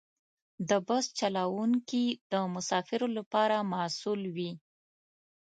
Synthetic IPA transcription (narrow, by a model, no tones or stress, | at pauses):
d̪əbast͡ʃalawuŋkid̪əmʊsɑfɪɾolapɑɾamasulwi